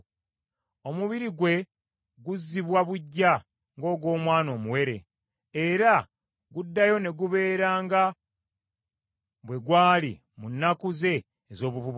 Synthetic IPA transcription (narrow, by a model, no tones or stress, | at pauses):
o̞muβiɾiɡwe̞ | ɡuzːiβwaβuɟːa | ŋɡo̞ːɡo̞ːmwaːno̞ːmuwe̞ɾe̞̰ | eɾa | ɡudːajo̞ne̞ɡuβe̞ːɾaːŋɡa | βwe̞ɡwaːlḭ | munːakuze̞ː | zo̞ːβuvuβ